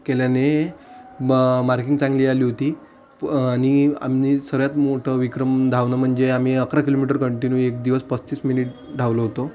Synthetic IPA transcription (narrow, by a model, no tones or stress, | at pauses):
keljane | maɾkĩŋɡt͡sãŋɡliːaliːɦot̪iː | ania̰mniːsəɾjat̪moʈʰəʋikɾəmd̪ʱaʋnəm̤əɳd͡zeam̤iːəkɾakilomiʈ̬əɾkəɳʈinjuːekd̪iʋəspət͡st͡ɕiːsminiʈ̚ | ɖʱaʋləɦot̪o